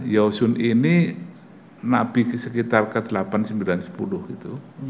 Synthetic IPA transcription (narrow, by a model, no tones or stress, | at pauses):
jausʊnini | nabisəkit̪arkəd̪̥əlapansəmbilansə̥pulʊhɡit̪u